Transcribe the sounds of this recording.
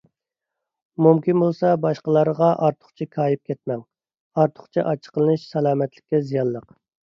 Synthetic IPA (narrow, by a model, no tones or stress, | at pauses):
mumkʲinbolˠsɑbɑʃqəlˠɑɾəʁɑʔɑɾt̪ʰʊ̥χt͡ʃʰikʰɑːjip̚kʲʰɛt̪mɛŋ | ɑɾt̪ʰʊ̥χt͡ʃʰiʔɑt͡ʃʰːə̥qəlˠɨnɨʃsɛlˠɑːmɛt̪lɪ̥kʲːɛzijɑnˠlˠəq